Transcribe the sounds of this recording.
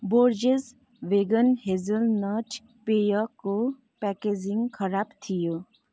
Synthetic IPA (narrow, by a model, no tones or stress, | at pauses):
boːɾd͡ʒez | ʋeːɡənhezəlnaːʈ | pejako | pɛked͡ʒiŋɡkʰəɾaːbt̪ʰijo